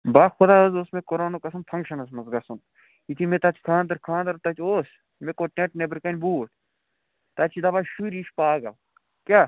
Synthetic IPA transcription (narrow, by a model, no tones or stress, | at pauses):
baːxʊd̪aːozosmekoɾoːnokɐsɐmpʰɐŋkʃɐnɐsmɐzɡɐsunt̪ | it̪ʰimet̪ɐt̪ʰi̥kʰãːnd̪ɐɾkʰãːnd̪ɐɾt̪ɐt̪ʰʲoːs | mekoʈʲẽʈnebəɾkɐnʲbuːʈ̚ʰʲ | t̪ɐt͡ʃʰid̪ɐbaʃuɾiːʃpaːɡɐl | kʲa